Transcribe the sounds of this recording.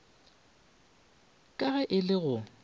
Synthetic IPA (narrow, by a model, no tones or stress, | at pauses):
kʼaɣɛʔɪlɪɣʊ